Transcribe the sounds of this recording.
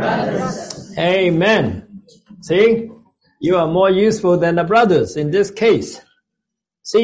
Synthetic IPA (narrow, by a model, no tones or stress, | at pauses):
eɪmɛ̃n | si | juəmɔɹjʉsfəlˠðɛ̃nðəbɹʌðə˞zɪ̃nðɪskʰeɪs | si